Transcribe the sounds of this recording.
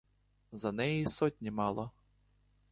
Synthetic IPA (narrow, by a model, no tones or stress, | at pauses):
zɐnɛjisɔtʲnʲimɑlˠɔ